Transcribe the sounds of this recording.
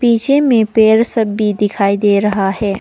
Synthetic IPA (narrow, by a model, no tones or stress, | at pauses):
piːt͡ʃemẽpeːɾsɐbːid̪ɪkʰaːid̪eːɾɐɦaɦɛː